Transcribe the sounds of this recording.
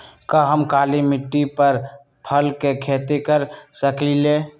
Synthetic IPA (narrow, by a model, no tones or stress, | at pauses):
kəɦəmkaːlimɪʈːipəɾ | pʰəlkekʰeːt̪ekəɾsəkile